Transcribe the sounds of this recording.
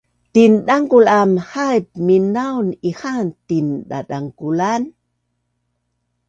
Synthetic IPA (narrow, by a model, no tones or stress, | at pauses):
t̪inɗaŋkulamhajp̚minawnihant̪inɗa̰ɗaŋkulan